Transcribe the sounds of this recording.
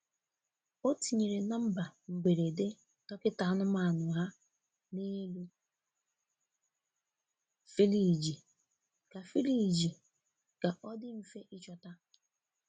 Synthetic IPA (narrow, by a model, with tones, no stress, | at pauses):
o˦ti˨ɲe˨ɾe˨na˦m̩˦ba˨m̩˨be˨ɾe˨de˦ | tɔ˦kɪ˦ta˨˦nʊ˦ma˨nʊ˨ɦa˦ | ni˦lu˦ | fi˦li˨d͡ʒi˨ | ka˨fi˦li˨d͡ʒi˨ | ɡ̥a˨ʔɔ˦dɪ˦m̩˦˨fe˦ʔi˦t͡ʃɔ˨ta˦